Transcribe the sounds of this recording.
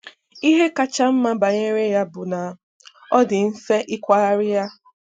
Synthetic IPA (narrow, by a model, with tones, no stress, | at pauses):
i˦ɦe˦ka˦t͡ʃa˦m̩˦ma˦ba˨ɲe˦ɾe˦ja˦bʊ˨na˨ | ɔ˦dɪ˨n̩˦se˦ʔɪ˦kʷa˦a˦ɾɪ˦ja˦